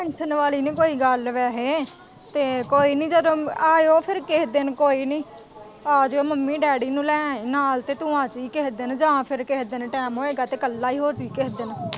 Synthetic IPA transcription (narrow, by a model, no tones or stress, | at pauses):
pɛ̃ːnʃʰənʋaːliːnĩːkoːiːɡəlʋɛːɦeː | t̪eːkoːiːnĩːd͡ʒəd̪õːaːoːpʰɪɾkeːɦd̪enkoːiːnĩː | aːd͡ʒoːməmːiːɖɛːɽiːnũːlɛːnaːlt̪eːt̪ʊːãːt͡ʃiːkeːɦd̪end͡ʒãːpʰɪɾkeːd̪enʈɛːmɦoːeːɡaːt̪eːkəlːaːiːɦoːɾt͡ʃiːkeːd̪en